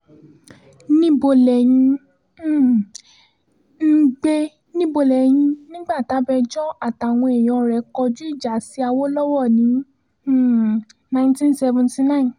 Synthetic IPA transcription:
nĩ˦bo˧lɛ˨jĩ˧˦˨ | n̩˦ɡ͡be˧ | nĩ˦bo˧lɛ˨jĩ˧nĩ˦ɡ͡ba˦˨ta˨˦bɛ˧d͡ʒɔ˦a˦˨ta˨w̃ɔ̃˧e˨j̃ɔ̃˧ɾɛ˨˦kɔ˧d͡ʒu˦i˦˨d͡ʒa˨si˨˦a˧wo˦lɔ˦wɔ˦˨nĩ˨˦˨ | nã˧ĩ˨ntĩ˦nsɛ˧vɔ̃˧nti˧˦nã˦ĩ˨n

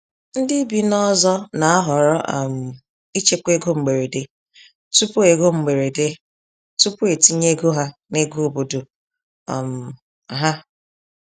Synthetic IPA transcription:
n̩˦dɪ˦bi˦nɔ˦zɔ˦na˨a˦ɦɔ˨ɾɔ˦ʔa˨m̩˨ | i˦t͡ʃe˦kʷe˦ɡo˦ŋ͡m̩˨ɡ͡be˨ɾe˨de˨˦ | tu˦pu˦e˨ɡo˦ŋ͡m̩˨ɡ͡be˨ɾe˨de˦ | tu˦pʊ˦e˨ti˦ɲe˦ɡo˦ɦa˦ne˦ɡo˦o˨bo˨do̰˨ | m̩˨ | ɦa˦

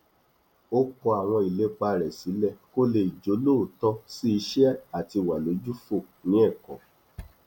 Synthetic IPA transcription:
o˦kɔ˧a˨w̃ɔ̃˧i˨le˨˦k͡pa˧˨ɾɛ˨si˨˦lɛ˦˨ko˦le˧˨i˨d͡ʒo˨˦lo˦˨tɔ˧˦si˦i˧˦ʃɛ˦a˨ti˧˨wa˨lo˨˦d͡ʒu˦fo˦˨ | nĩ˨˦ɛ˦˨kɔ˨

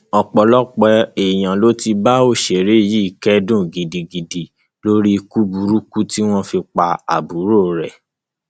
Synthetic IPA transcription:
ɔ˧k͡pɔ˨lɔ˦k͡pɛ˧e˨j̃ã˨lo˦ti˧ba˦o˦˨ʃe˨ɾe˨˦˨ji˦i˦˨kɛ˦dũ˦˨ɡi˨di˨ɡi˨di˨ | lo˦ɾi˦˧ku˦bu˧˦ɾu˦ku˦ti˦w̃ɔ̃˦fi˧k͡pa˧a̰˨bu˨˦ɾo˦ɾɛ˨

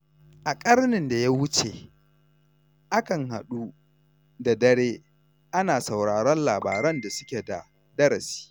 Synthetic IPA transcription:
ʔa˨kʼɐ˦rnɪ˨nda˨ja˦wʊ˦t͡ʃḛ˨ | ʔa˦kɐ˨ŋha̰˨ɗu˦ | da˨dɐ˦ɽeː˦ | ʔa˦naː˨sa˨wɽaː˨ɾɔ˦nlaː˨baː˨ɾɐ˦nda˨sʊ˦kʲe˨da̰˨ | dɐ˦ɾɐ˨si̥ː˦

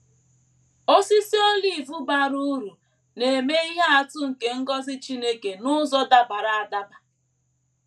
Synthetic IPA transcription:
o˦si˦si˦o˦li˨vu˦ba˨ɾu˦ɾu˨ | ne˨me˦i˦ɦe˦a˨tʊ˦ŋ̩˨ke˨ŋ̩˦ɡɔ˦zɪ˦t͡ʃi˦ne˦ke˨nʊ˦zɔ˦da˨ba˨ɾa˨a˨da˦ba˨

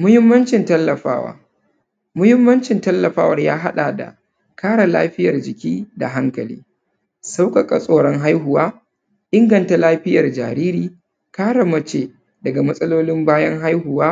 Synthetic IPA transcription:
mʊ˦hɪ˦mːɐ˦nt͡ʃɪ˨ntɐ˦lːɐ˨ɸaː˦wa̰ː˦ | mʊ˦hɪ˦mːɐ˦nt͡ʃɪ˨ntɐ˦lːɐ˨ɸaː˦wɐ˨rjaː˦ɦa˦ɗa˨da̰˨ | kʰaː˦ɽa˨la̰ː˦ɸɪ˦jɐ˨rd͡ʒɪ˨kʲiː˦da̰˨ɦa˦ŋkɐ˨lḭː˦ | sa˦wkɐ˨kʼa˨sʼoː˨ɽɔ˦ŋɦa˦jɦʊ˨waː˦ | ʔɪ˦ŋɡɐ˨nta˨laː˦ɸɪ˦jɐ˨rd͡ʒa̰ː˨ɾiː˦ɾiː˨ | kaː˦ɽa˨mɐ˦t͡ʃeː˨ | dɐ˨ɡa˨mɐ˦sʼɐ˦loː˦lɪ˦mbaː˦jɐ˦ŋɦa˦jhʊ˨waː˦

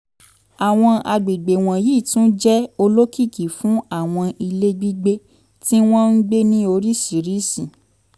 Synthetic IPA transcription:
a˨w̃ɔ̃˧a˧ɡ͡be˨ɡ͡be˨w̃ɔ̃˨jiː˦˨tũ˦d͡ʒɛ˦o˧lo˦kʰi˦˨ki˨fũ˨˦a˦˨w̃ɔ̃˧ʔi˧le˦ɡ͡bi˦ɡ͡be˧ | ti˦w̃ɔ̃˦n̩˦ɡ͡be˦nĩ˦o˧ɾi˦si˨ɾi˦sĩ˨

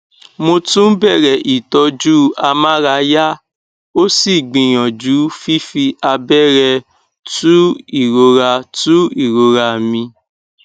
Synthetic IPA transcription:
mo˧tũ˦n̩˦bɛ˦˨ɾɛ˨ʔi˨tɔ˨˧d͡ʒuː˦˨a˧mã˦ɾa˧˨˦ja˦ | o˦si˦˨ɡ͡bĩ˨˧j̃ɔ̃˨d͡ʒu˨˦fi˦fi˧a˧bɛ˦˨ɾɛ˧ | tu˦i˦˨ɾo˧ɾa˧tu˦i˦˨ɾo˧ɾa˧˨mĩ˧

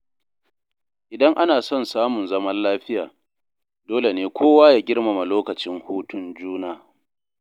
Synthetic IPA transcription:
ʔɪ˨dɐ˦ŋʔa˦naː˨sɔ˦˨nsaː˦mʊ˨nzɐ˦mɐ˦llaː˦ɸɪ˦jaː˨ | doː˦le˨neː˨kʷʰoː˦waː˦jaː˦ɡʲɪ˦rma˨ma˨loː˦kɐ˨t͡ʃɪ˦ŋhuː˦tʊ˦nd͡ʒuː˦naː˦

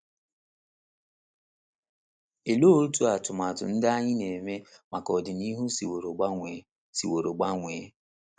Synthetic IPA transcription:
e˨lo˦o˦ɾu˦tu˦a˨tʊ˨ma˨tʊ̰˨n̩˦da˦ɲɪ˦ne˨me˦ma˨kɔ˨dɪ˨ni˦ɦu˦si˨o˨ɾo˨ɡ͡be˨ | si˨wo˨ɾo˨ɡ͡ba˦ŋʷeː˨˦

